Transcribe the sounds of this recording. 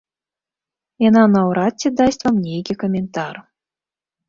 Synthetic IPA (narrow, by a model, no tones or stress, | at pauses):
jɑnɑnɑwɾɑt̚ʲːĕd̪ɑsʲt̪ʲvamnʲeɡʲekomʲent̪ɑr